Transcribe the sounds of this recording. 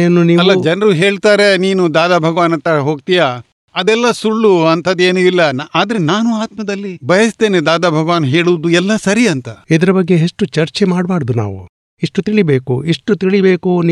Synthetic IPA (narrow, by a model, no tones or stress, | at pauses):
jɐnːuniːɐlːɐd͡ʒɐnɐɾuɦeːɭt̪aːɾe̞niːnud̪aːd̪aːbʱɐɡɐʋaːnɐnt̪ɐɦoːɡ̚t̪ijaː | ɐd̪ɛlːɐsuɭːuɐnt̪ʰɐd̪eːnuilːɐnʔaːd̪ɐɾenaːnuaːt̪mɐd̪ɐlːibʱɐjɐst̪e̞ːned̪aːd̪aːbʱɐɡʋaːnɦeːɭuʋd̪uɛlːɐsɐɾiɐnt̪ɐid̪ɐɾɐbɐɡːeɦeʂʈːut͡ʃɐɾt͡ʃemaːɽbaːɾɐd̪una̰ːʋṵ | iʂʈut̪iɭibe̞ːkuiʂʈːut̪iɭibeːkuniː